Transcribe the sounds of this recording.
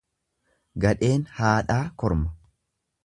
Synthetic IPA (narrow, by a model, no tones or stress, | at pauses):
ɡɐᶑe̞ːnhaːᶑaːkɔɾmɐ̥